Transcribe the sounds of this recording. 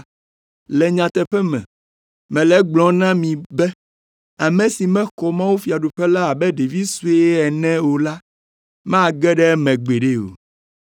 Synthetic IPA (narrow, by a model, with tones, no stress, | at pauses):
lɛ˨ɲã˨t̪ɛ˨ɸɛ˦mɛ̰̃˨ | mɛ̃˨lɛ˦ɡ͡blɔ̃˨˦nã˦mĩ˨bɛ˦ | a˨mɛ̃˨si˨mɛ̃˦xɔ˨mã˦wu˦fi˨a˨ɖo˨ɸɛ˦la˦a˨bɛ˦ɖe˨vi˦su˦e˦ɛ˨nɛ̃˦wo˨la˦ | mɛ̃˦a˦˨ɡɛ˦ɖɛ˦mɛ̃˨ɡ͡be˨ɖe˦o̰˨